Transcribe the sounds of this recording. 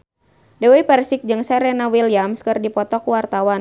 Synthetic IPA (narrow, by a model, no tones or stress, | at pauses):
dɛwipɛrsɪk̚d͡ʒɨŋsɛɾɛnawiliamskɨrdipɔt̪ɔkuwart̪awan